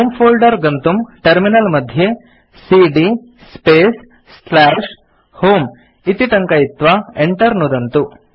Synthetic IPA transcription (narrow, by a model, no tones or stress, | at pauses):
ɦoːmpʰoːlɖɐɾɡɐnt̪umʈɐɾminɐlmɐd̪ʱje | siɖi | speːs | slaːʂ | hoːm | it̪iʈɐŋkɐit̪ʋɐeɳʈɐɾnud̪ɐnt̪u